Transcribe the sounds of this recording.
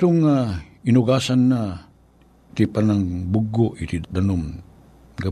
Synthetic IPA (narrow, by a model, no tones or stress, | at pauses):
t̪ʊŋːa | inuɡasanːa | t̪ipanaŋbuɡoʔit̪id̪anom | ɡa